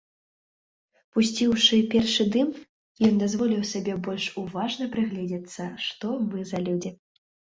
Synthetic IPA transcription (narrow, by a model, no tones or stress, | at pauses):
pusʲt͡sʲiwʂɨpʲɛrʂɨd̪ɨm | jɔnd̪azvɔlʲiwsʲabʲɛbɔlʲʂuvaʐnɐpɾɨɣlʲɛd͡zʲɛt̪sːɐʂt̪ɔmɨzɐlʲud͡zʲi